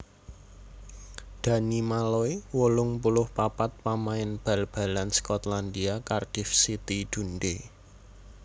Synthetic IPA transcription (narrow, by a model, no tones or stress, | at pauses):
d̪̥ä̤nimalɔiwolʊŋpulʊhpapat̪̚pamaɪnb̥a̤lb̥a̤lanskɔt̪land̪iakard̥ifsit̪id̪̥ṳnɖe